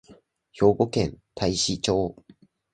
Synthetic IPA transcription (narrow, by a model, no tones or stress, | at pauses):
çjoɡokent̪ʰaiɕit͡ɕʰo